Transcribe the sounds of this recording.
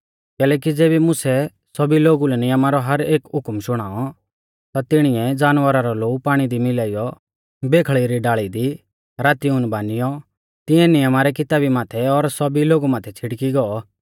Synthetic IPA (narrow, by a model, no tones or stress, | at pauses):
kɛːlɛːkid͡zeːbimʊsɛ | sɔbiloːɡulɛnɪjəmaɾɔɦɐɾeːkɦʊkmʃʊɽ̃aːɔ | t̪at̪ɪɽ̃ɪɛd͡zaːnʋəɾaɾɔloːupaːɽ̃id̪imɪlaːijɔ | beːkʰɭiɾiɖaːɭid̪i | ɾaːt̪iʊnbaːnɪjɔ | t̪ɪɛnɪjəmaɾɛkɪt̪aːbimaːt̪ʰɛɔɾsɔbiloːɡumaːt̪ʰɛt͡sʰɪɽkiɡɔɔ